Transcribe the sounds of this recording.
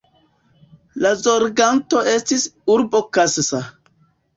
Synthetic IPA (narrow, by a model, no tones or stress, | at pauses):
lazoɾɡanto̞ʔe̞stisuɾbo̞kassa